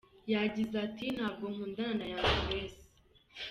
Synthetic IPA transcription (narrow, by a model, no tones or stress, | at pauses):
jaɟizatʰin̥haːb̚ɡo̞ŋ̥uːndananajaɡuweːse̥